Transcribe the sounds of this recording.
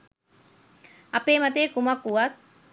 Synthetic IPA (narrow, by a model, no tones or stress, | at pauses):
apeːmat̪̬eːkumakːuʋat̪̚